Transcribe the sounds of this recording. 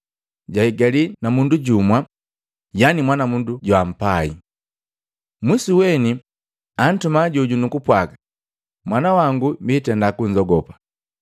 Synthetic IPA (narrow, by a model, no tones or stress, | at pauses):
ɟaiɡalinamunduɟumwa | janimwanamunduɟwam̩pai | mwisiwɛni | an̩tumaɟuɟunukupwaɡḁ | mwanawaŋɡumbiːtɛndakuɲzɔɡɔpa